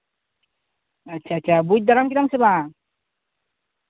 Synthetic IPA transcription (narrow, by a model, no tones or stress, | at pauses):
at͡ʃʰːat͡ʃʰːabuc̚d̪aɾamkit̪amseba